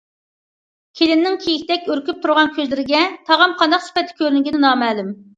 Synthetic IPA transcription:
kʲʰelɪnːɪŋkʲʰejikʲt̪ɛk̚ʲøɾkʲyp̚t̪ʰuɾʁɑnkʲʰøzlɪɾɪɡʲɛt̪ʰɑʁɑmqʰɑnd̪ɑqsy̥pɛt̪ʰːɪ̥kʲʰøɾynɡʲinɪnɑːmɛːlym

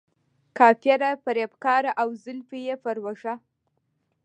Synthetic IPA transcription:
kɑfjaɾapaɾepkɑɾaʔawzɪlfijefaɾwaʂa

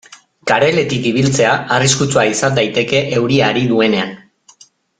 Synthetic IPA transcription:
kaɾe̞le̞t̪ikiβ̞ilt͡se̞aariskut͡suaisand̪ajt̪e̞ke̞ʔe̞wɾiaɾiðue̞ne̞an

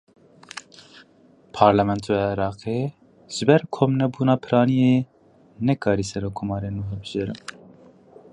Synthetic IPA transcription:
pʰɑːɾlɛmɛnt̪ʰoeɾɑːqe | ʒ̥ɨbɛɾkʰomnɛbuːnɑːpʰɨɾɑːnije | nɛkʰɑːɾiːsɛɾokʰːomɑːɾeːnuɦɛbɨʒeɾɨ̰m

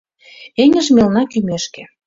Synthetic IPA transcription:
eŋə̆ʒmelnɑkymeʃkĕ

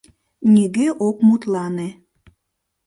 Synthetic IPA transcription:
nʲiɣeʔokmut̪lɑne

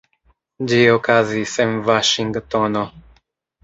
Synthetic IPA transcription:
d͡ʒiokazisɛmvaʃiŋɡt̪ono

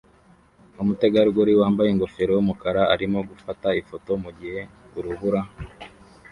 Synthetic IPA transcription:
umute̞ɡaɾɡoɾiwaːmbajeŋɡo̞fe̞ɾojumukaɾaːɾimo̞ɡufataifoto̞muɟihe̞ | uɾuβuɾa

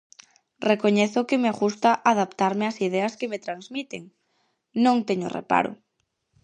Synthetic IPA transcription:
rekoɲeθʊkɪmeaɣust̪aʔaðapt̪aɾmɪasið̞ɛɐskemet̪ɾanzmit̪eŋ | nõŋt̪eɲʊ̰rḛpa̰ɾʊ̰

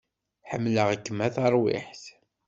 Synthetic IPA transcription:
ħəmːləʁakːəmːæθɑɾˤwɪ̰ħθ

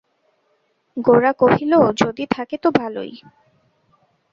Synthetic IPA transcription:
ɡoɾakoɦilod͡ʑod̪it̪ʰaket̪obʱalo̰j

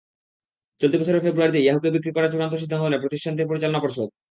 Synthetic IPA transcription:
t͡ɕolt̪ipat͡ɕʰoɾeɾfebɾuaɾd̪iiɛɦokebikɾikɔɾat͡ɕuɾant̪̬oʃ̬id̪ʱːankonepɾot̪iʃʈʰant̪̬ipoɾit͡ɕalonapoɾʃod̪̚

